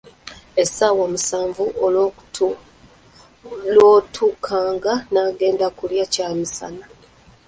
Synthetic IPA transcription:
e̞saːwomusaːɱvuʔol | loːtʰuːkʰaːŋɡanaːɡe̞ːndakuljacaːmisa̰na

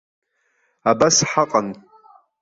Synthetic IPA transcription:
abasħaqʼan

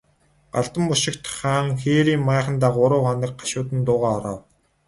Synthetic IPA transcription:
ɢ̥aɮt̪ə̆mpʊʃɪ̆kt̪χaːŋxeːɾiːmmaːχə̆nt̪aːɢʊɾʊːχɔnə̆k̚ɢaʃʊːt̪ə̆nt̪ʊːʁaːɔɾɔ̰ːw

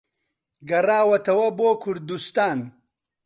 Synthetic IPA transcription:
ɡɐraːwɐt̪ɐwɐboːkʰʊɾd̪ust̪aːn

